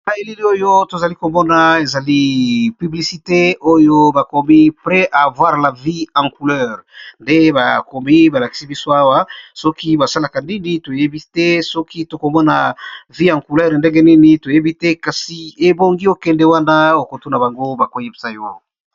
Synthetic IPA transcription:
a˨e˨li˦li˦o˦jo˦to˨za˨li˦ko˨mɔ˦na˨e˨za˨li˦py˨bli˨si˨te˦o˦jo˦ba˨ko˨mi˦pʁɛ˦ʔa˨vwa˦ʁla˨vi˦ã˨ŋku˨lɛ˦ʁnde˦ba˨ko˨mi˦ba˨la˨ki̥˨si˦bi˦so˦a˦wa˦sɔ˦ki˦ba˨sa˦la˨ka˨ni˦ni˦to˨je˦bi˦tɛ˦sɔ˦ki˦to˨ko˨mɔ˦na˨vi˦ã˨ŋku˨lɛ˦ʁnde˦ŋɡe˦ni˦ni˦to˨je˦bi˦tɛ˦ka˨si˨e˨bo˦ŋɡi˦o˦kɛ˨ndɛ˦wa˦na˦o˨ko˨to˦na˨ba˨ŋɡo˦ba˨ko˦˨je˦bi˨sa˦jo˦

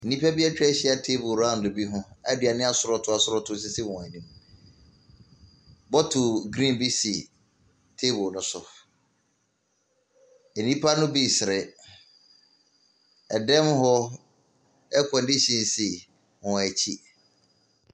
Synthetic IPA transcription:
nĩ˦pʰa˦bi˦a˦t͡ɕᶣɛ˦ɕi˦a˨tʰe˦bʊ˨ɾã˦n˨dʊ˨bi˦ɦʊ̃˦æ̰˦dɪ˨a˨nɪ̃˦a˦˨sʊ˦ɾɔ˨tʰʊ˦a˨sʊ˦ɾɔ˦tʰʊ˦s̬ɪ˦sɪ˦wɔ̃˨a˨nĩ˦m | bɔ˦tʰʊ˨ɡɾĩ˦˨nbi˦si˨ | tʰe˦bʊ˨nʊ̃˦sʊ˨ | e˨nĩ˦pʰa˦nʊ̃˦bi˦sɪ˨ɾɛ˨ | ɛ˨dɛ̃˦mɦɔ˦ | ɛ˦kʰɔ̃˨ndi˦ɕĩ˨nsi˨ | hɔ̃˨æ˨t͡ɕʰi˦

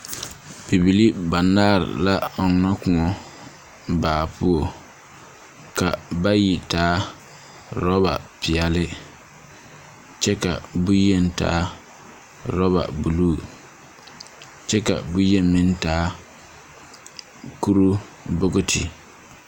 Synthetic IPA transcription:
bi˨bi˨li˦ba˨nːaː˦ɾɪ̰˨la˦ɔ˨˦ŋa˦kʊ˨ŋɔ˦ | baː˨pʊ˦o˨ | ka˨ba˦ji˨taː˦ | ɾɔ˦ba̰˨pɪ˨ɛ˨lɪ˦ | t͡ʃɛ˦ka̰˨bu˦je˦n˦ta̰ː˦ | ɾɔ˦βa̰˨bu˨luː˦˨ | t͡ʃɛ˦ka̰˨bʊ˦je˦mi˦n˦taː˦ | ku˦ɾu˦ | bʊ˦ɡʊ˦tʰɪ̰˨

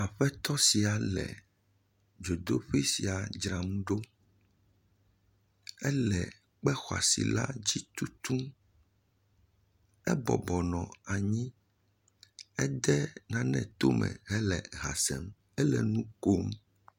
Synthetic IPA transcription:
a˨ɸɛ˦t̪ɔ˦si˨a˨lɛ̰˨ | d͡ʒo˨d̪o˦ɸi˦si˨a˨d͡ʒɾa˨mũ˦ɖo˦ | ɛ˦lɛ˨ | k͡pɛ˦xwa̰˨sḭ˨la̰˦d͡ʑi˦t̪u˦t̪ũ˦m | ɛ˦bɔ̰˨bɔ˨nɔ̰̃˨a˨ɲĩ˦ | ɛ˦d̪ɛ˦nã˨nɛ̰̃˨t̪o˦mɛ̰̃˨ɦɛ˦lɛ˨ɣa̰˨sɛ˨m | ɛ˦lɛ̰˨nũ˦ko˦m

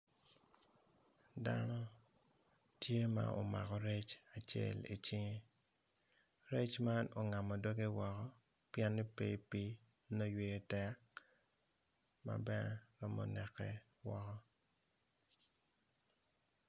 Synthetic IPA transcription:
danɔ˦ | tje˦ma̰˨o̰˨ma̰˨kɔ˨ɾe˦t͡ʃa˨t͡ʃjɛ̰˦˨lḭ˨t͡ʃɪ˦ŋe˦ | ɾe˦t͡ʃma˦no˨ŋa˨mɔ˨do˦ɡe˦wɔ˨kɔ˦ | pjɛ˦nːi˦pe˦pi˦ | no˦jwe˦tɛ˦k | ma̰˨bɛ˦ɾɔ˦mɔ̰˨nɛ˨kːɛ˦ | wɔ˦kɔ˦

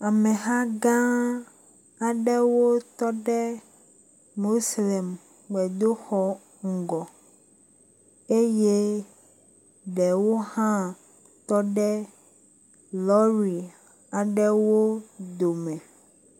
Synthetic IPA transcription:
a˨mẽ˨ɦã˦ɡã˦ | a˨ɖɛ˦wo˦t̪ɔ˦ɖɛ˦ | mo˦slɛ˨m | ɡ͡bɛ˨d̪o˦xɔ˦ | ŋ̩˨ɡɔ˨ | e˦je˦ | ɖɛ˨wo˦hã˦ | t̪ɔ˦ɖɛ˦ | lɔ˦ɾi˨ | a˨ɖɛ˦wo˦d̪o˨mɛ̃˨

